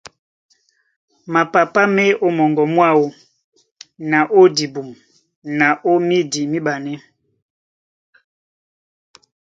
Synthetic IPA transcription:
ma˨pa˨pa˦mɛ˦o˦mɔ˨ŋɡɔ˨mwa˦˨wo˦ | na˨ʔo˦di˨bu˨m | na˨ʔo˦mi˦di˨mi˦ba˨nɛ˦

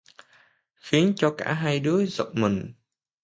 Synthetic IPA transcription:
xi˨˦ənt͡ɕɔ˧ka̰ː˧˩ɦa˧jɗɨ˨˦əzə̰˧˨wk͡p̚mï˨˩ŋ̟

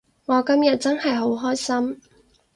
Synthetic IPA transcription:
ŋɔː˨˧kɐ˥mjɐ˨t̚t͡sɐ˥nhɐ˨jɦo˨˥wɦɔː˥jsɐ˥m

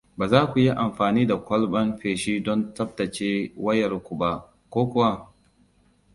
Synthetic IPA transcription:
baː˨zaː˦kʷu˨ji˦ʔa˨mɸaː˨niː˦da˨kʷɐ˦lɓɐ˦mɸeː˨ʃiː˦dɔ˦ntɐ˦b̚tɐ˨t͡ʃeː˦wɐ˦jɐ˨ɾkʷu˨ba˦ʔ | kʷoː˦kʷʊ˦wa˦

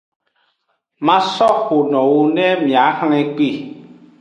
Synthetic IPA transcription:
mã˦sɔ˦xo˨nɔ̃˨wo˦nɛ̃˦mĩ˨a˨˦hl̃ɛ̃˦k͡pi˦˨

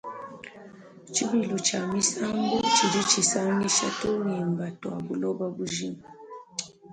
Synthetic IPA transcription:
t͡ʃi˦βi˨lu˨t͡ʃa˨mi˦sa˦ŋɡɔ˦t͡ʃi˨ɾi˦t͡ʃi˨sa˦ni˦ʃa̰˦to˦ɾi˨mba˨twa˨bu˨lɔ˦ba˦bu˦ʒi˦ma˨

